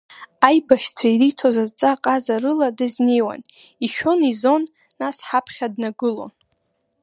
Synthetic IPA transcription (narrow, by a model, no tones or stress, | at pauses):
ajbaʃt͡sʷʰairitʰozazt͡sʼaqʼazarɨladɨznejwa̰n | iʃᶣo̞nizo̞nː | asħapʰχʲadnaɡɨlo̞̰n